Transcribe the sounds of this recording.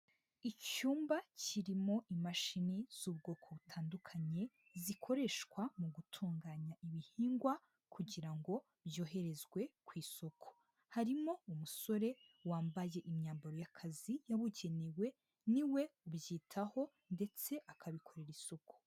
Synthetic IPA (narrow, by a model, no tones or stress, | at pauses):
icuːmbaciɾimo̞ʔimaʃiniz̥uβ̚ɡo̞ːkʰo̞βutʰaːndukʰaɲe̞ | zikʰo̞ɾe̞ʃkwamuɡutʰuːŋɡaːɲaʔiβihiːŋɡwa | kʰuɟiɾaŋɡo̞ | bjo̞ːɦe̞ɾe̞zɡwe̞kwiːso̞kʰo̥ | haɾimo̞umuso̞ɾe̞ | waːmbaje̞ʔimɲaːmbaɾojakʰazijaβuɟe̞newe̞ | niwe̞ubjiːtʰaho̞ | nde̞t͡se̞ʔakʰaβikʰo̞ɾe̞ɾiso̞ko̥